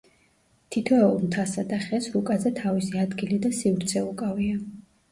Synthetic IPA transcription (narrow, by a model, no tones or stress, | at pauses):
t̪ʰit̪ʰɔɛulˠmt̪ʰasad̪aχɛsɾukʼazɛt̪ʰavisiad̪ɡilid̪asivɾt̪sʰɛukʼavia